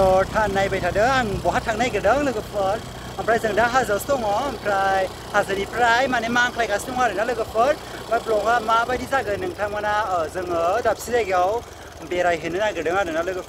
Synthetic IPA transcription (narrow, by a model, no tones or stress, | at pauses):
sɔtʰanːajbajtʰadɯaŋbɔɦatʰaŋnajɡɯdɯŋlɯɡɯpʰɯɾ | ampʰɾajzɯŋdaɦazastɔŋɔmpʰɾaj | hazɯnipʰɾajmanemaŋkʰlajkʰastɔŋaɾɯnalɯɡɯpʰɯɾ | bajblɔkamabajdizaɡɯnɯŋtʰamanaɯzɯŋɯdap̚sizajɡiaw | beɾajɦɯnɯnaɡɯdɯŋaɾɯnalɯɡɯpʰ